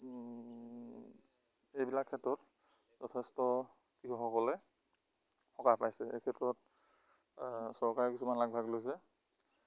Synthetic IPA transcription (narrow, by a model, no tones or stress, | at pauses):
ejbilakʰːɛtɹɔt | d͡ʒɔtʰɛstɔkikʰɔxɔkɔlɛ | xɔkapajsɛḛjkʰɛtɹɔt | sɔɹkaɹɛkisumanlaɡ̚bʱaɡlojs̬ɛ